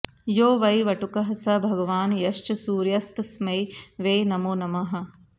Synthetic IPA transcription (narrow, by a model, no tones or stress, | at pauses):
joːʋɐjʋɐʈukɐɦɐsɐbʱɐɡɐʋaːnjɐʃt͡ʃɐsuːɾjɐst̪smɐjʋeːnɐmoːnɐmɐɦɐ̆